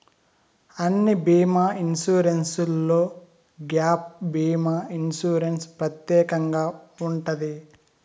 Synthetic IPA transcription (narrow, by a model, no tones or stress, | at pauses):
ɐnːibiːmaːinsuːɾensulːo̞ː | ɡjaːp̚biːmaːinsuːɾenspɾɐt̪jɛːkɐŋɡaːuɳʈɐd̪i